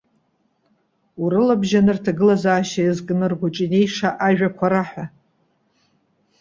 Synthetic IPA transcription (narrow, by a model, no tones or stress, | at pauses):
uɾɨlabʒanɨrtʰaɡɨlazaːʃaizkʼɨnɨrɡʷʊt͡ʃʼine̞jʂaʔaʒᶣakʷʰaɾaħʷᶣa